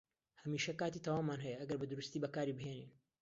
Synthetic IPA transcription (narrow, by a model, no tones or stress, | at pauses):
hɐmiːʃɐkaːt̪iːt̪aːwaːmːaːnɦɛjɐʔɐɡɐɾbɨd̪ʊɾust̪iːbɐkaːɾibɨɦeːnḭːn